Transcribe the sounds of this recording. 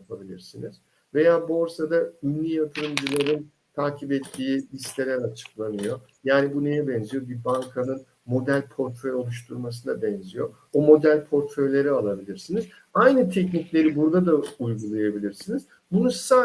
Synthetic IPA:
pʰabilʲḭɾsiniz̥ | ve̞jaːbo̞ɾsad̪aynlʲijat̪ʰɯɾɯmd͡ʒɯlˠaɾɯn | t̪ʰaːcʰipɛt̪ʰːiːlʲist̪e̞lʲɛnat͡ʃʰɯ̥klˠanɯjo̞ | jaːnibunejɛbɛnzijo̞bibaŋkʰanɯn | mo̞d̪ælʲpʰo̞ɾt̪ɾeo̞lˠuʃt̪ʰuɾmas̬ɯnabɛnzijo̞ | omo̞d̪ælʲpʰo̞ɾt̪ɾø̞jlʲe̞ɾialˠabilʲiɾsiniz | ajnɯt̪ʰɛcniclʲe̞ɾibuɾd̪ad̪aujɡulˠajabilʲiɾsiniz̥ | bunusa

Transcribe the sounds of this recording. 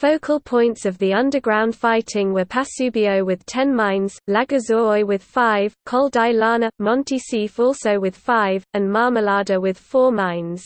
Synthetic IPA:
fəʊkʰəlˠpʰɔ̃ɪ̃ntsəvðiʌ̃ndəɡɹãʊ̃nd̥faɪtʰɪ̃ŋwəpʰasʉːbiəʊwɪð̥tʰɛ̃nmãɪ̃nz̥laɡəzɔɪwɪð̥faɪv̥kʰɒlˠdaɪlɑːnəmɒ̃ntʰisifɔˑlˠsəʊwɪð̥faɪvə̃nmɑːməlɑːdəwɪð̥fɔːmãɪ̃nz̥

